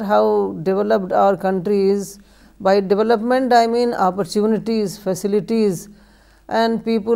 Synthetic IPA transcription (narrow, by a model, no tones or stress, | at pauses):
ɦaʊɖɪʋɛləpɖaʊəɾkɐ̃ɳʈɾiz | baɪɖɪʋɛləpmẽɳʈaɪmĩːnɔːpəɾtjuːnɪʈiːzfɛsɪlɪʈiz | ʔɛ̃ɳɖpiːpə